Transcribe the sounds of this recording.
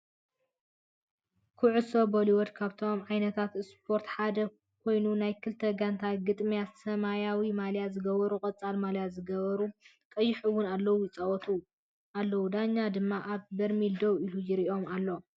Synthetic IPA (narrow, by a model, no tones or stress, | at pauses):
kʰuʕusoboliwod̪kʰaβt̪ʰo̞mʕajnɐt̪ʰat̪ɨspʰo̞ɾt̪ħad̪ɐ | kʰo̞jnunajkʰɨlt̪ʰɐɡant̪ʰaɡɨt̪ʼmijat̪sɐmajawimaljat̪zɨɡɐβɐɾukʼɐt͡sʼalmaljat̪zɨɡɐβɐɾu | kʼɐjːɪħɨwʊnalːɐwujɪt͡sʼɐwɔt̪ʰu | ʔalːɐwud̪aɲːad̪ɨmːaʔaβbɐɾmild̪owilujɪɾiʔo̞malːo̞